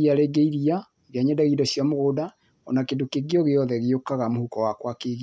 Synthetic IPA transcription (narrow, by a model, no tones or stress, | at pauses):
iaɾeːɡeiɾia | eðjaɲɛdaɣiːdɔsjamoɣoːda | ɔ̰nakedokeɡeɔɣejɔðɛɣeokaɣamohukɔwakwakeɣi